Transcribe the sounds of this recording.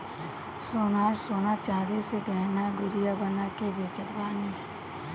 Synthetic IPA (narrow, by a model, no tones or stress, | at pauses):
soːnaːɾsoːnat͡ʃaːɾiseɖɛːɦnaɡʊɾijabənakebeːt͡ʃət̪baːniɦɛ